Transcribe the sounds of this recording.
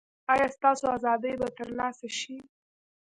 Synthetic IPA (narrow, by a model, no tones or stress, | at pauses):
ɑjɑst̪ɑsoazɑd̪əjbat̪əɾlɑsaʃi